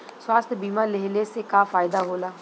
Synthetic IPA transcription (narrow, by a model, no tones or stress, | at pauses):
swaːst̪ʰbiːmaːleɦleːsekaːfaːjɪd̪aːɦoːlaː